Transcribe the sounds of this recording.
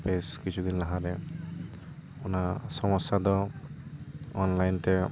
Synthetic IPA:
peskit͡ʃʰud̪inlaɦaɾɛ | unasɔmɔsad̪ɔ | ɔnlajntɛ

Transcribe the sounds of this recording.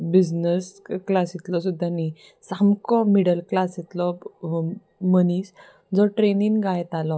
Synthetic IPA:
bid͡znəsklasit̪lɔsud̪ʱani | samkɔmiɽəlklasit̪lɔ | məniːs | d͡zɔʈɾeninɡajt̪alɔ

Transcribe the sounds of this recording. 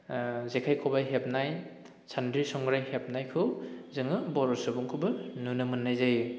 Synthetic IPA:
zekʰajkʰɔbajɦep̚naj | sʰandɾisɔŋɡɾajhep̚najkʰɯwzɯŋɯbɔɾɔsɯbuŋkʰɯbɯnunɯmɯnːajzaj

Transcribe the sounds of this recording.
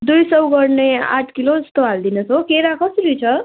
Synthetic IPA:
d̪ujsʌwɡʌrnea̰ʈʰkiloʌst̪oald̪inʌsokeɾakʰʌsiɾujt͡sʰʌ

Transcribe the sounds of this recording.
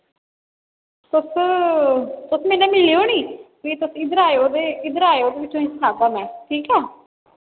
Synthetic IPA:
t̪ʊs | t̪ʊsmɛːneːmɪliːoːniːkiːt̪ʊsɪd̪əɾaːeoːd̪eːɪd̪əɾaːeoːd̪eːbɪt͡ʃːõĩːsənaːd̪aːmɛ̃ːʈʰiːkɛː

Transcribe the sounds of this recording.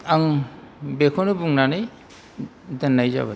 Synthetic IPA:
aŋbekʰɔnubuŋnanɯj | danːajza̰βa

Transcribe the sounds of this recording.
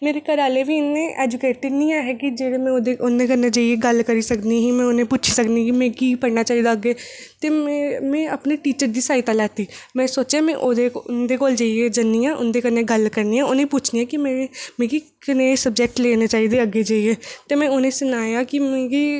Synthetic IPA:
meːɾekəɾaːleʋiːɪnːẽːʔɛːd͡ʒʊkeːʈɪniãːɦɛːkid͡ʒeːɽeːmɛ̃d̪eʊnd̪eːkənẽd͡ʒaːieɡəlkəɾisəkniɦiːmɛ̃ːʊnẽːput͡ʃʰisəknikimẽːɡiːpəɾnaːt͡ʃaːiːd̪aəɡːeːt̪eːmmɛ̃ːəpneʈiːt͡ʃəɾd̪iːsaːit̪alɛːt̪iːmɛ̃ːsoːt͡ʃamɛ̃ʔod̪eʊnd̪eːkoːld͡ʒaːied͡ʒənːijãːʔʊnd̪eːkəɾneːɡəlkəɾniːãʊnẽput͡ʃʰnijãːkimɛmẽːɡi | kɪnẽːsəb̚d͡ʒɛːk̚ʈleːnet͡ʃaːid̪eːəɡːeːd͡ʒaːieːt̪eːmɛ̃ːʊnẽːsʊnaːjaːkimẽːɡiː

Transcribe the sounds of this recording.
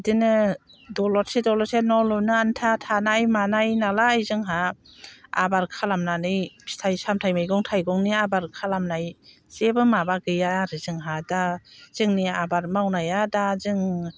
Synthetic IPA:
dɯnɯ | dɔlɔɾsedɔlɔsenɔlunɯantʰatʰanajmanajnalaajzɯŋɦa | a̰baɾkʰalamnanɯjstʰajsamtʰajmajɡɔŋtʰajɡɔŋniabaɾkʰalamnaj | z̥ebɯmabaɡɯjaɾɯzɯŋɦadaz̥ɯŋniabaɾmawnajadazɯŋ

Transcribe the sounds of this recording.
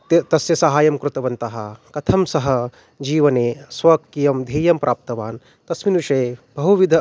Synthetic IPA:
t̪t̪ɐsjɐsɐɦaːjɐmkɾut̪ɐʋɐnt̪ɐɦɐkɐt̪ʰɐmsɐɦɐ | d͡ʒiːʋɐneːsʋɐkːijɐmd̪ʱɐːjɐmpɾʔaːp̚t̪ɐʋaːn | t̪ɐsminuʃeːbɐɦuʋid̪ʱɐ

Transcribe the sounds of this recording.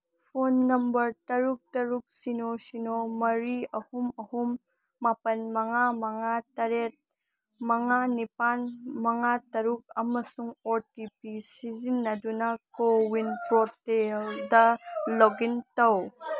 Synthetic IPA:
pʰonːɐmbɐɾtɐɾuk̚tɐɾuk̚sinosinomɐɾiɐhumɐhumː | apɐnmɐŋamɐŋatɐɾet̚ | mɐŋanipanmɐŋatɐɾuk̚ɐmɐsuŋoɾtipisizinːɐdunɐkowinpɾoteldɐloɡintɐw

